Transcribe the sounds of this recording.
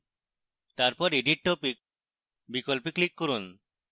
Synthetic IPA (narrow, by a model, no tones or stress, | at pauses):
t̪aɾpɔɾiɖiʈ̚ʈopik̚ | bikɔlpiklikːɔɾun